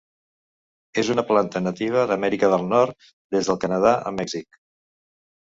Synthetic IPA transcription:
ezunəplant̪ənət̪iβ̞əðəmɛɾikəðəlˠnɔɾt̪ | d̪ezðəlˠkənəð̞aʔə̰mɛɡz̥ik

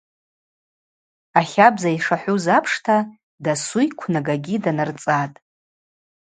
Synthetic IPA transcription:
aχʲabzaiʂaħʷuzapʰʂtʰa | dasujkʷʰnaɡaɡʲidanart͡sʼatʼ

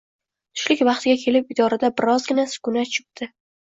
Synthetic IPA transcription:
t̪ʰʊ̥ʃlɪkʲvɑχt̪ʰɪɡʲakʲʰe̞lɪpɪd̪ɒɾad̪abɪɾɒzɡʲɪnasʊ̥kʊnat͡ʃʰɪp̚t̪ʰɪ

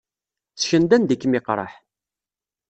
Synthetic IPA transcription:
t͡sːçənd̪ænd̪ikːmɪqɾˤɑ̰ħ

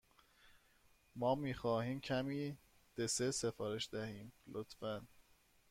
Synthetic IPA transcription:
mɒːmiːxɒːhiːmcʰæmiː | d̪̥e̞sese̞fɒːɾe̞ʃd̪æhiːmlʔot̪fæn

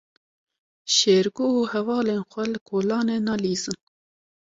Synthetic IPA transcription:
ʃeːɾɡouːhɛvɑːleːnxʷɛlɨkʰoːlɑːneːnɑːliːzɨn

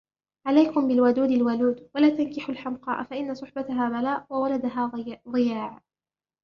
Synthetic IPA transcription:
ʕalajkʊmbɪlwad̪uːd̪alwaluːd̪walaːt̪ankɪħʊlħamqɑ̰ːʔfaʔɪnːasˤʊħbat̪aɦaːbalaːʔwawalad̪aɦaːðˤɨjaːʕ

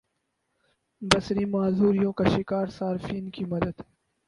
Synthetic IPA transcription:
bɐsɾiːmaːzuːɾijõːkaʃɪkaːɾsaːɾfiːnkimɐd̪əd̪

